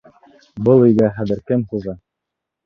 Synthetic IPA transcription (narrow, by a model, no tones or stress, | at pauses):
bɤlˠĭjɡæχæðɘ̆ɾkɘmχuðɑ